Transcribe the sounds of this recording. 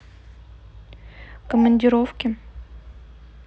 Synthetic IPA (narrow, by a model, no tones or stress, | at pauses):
kəmənʲdʲɪɾofkʲɪ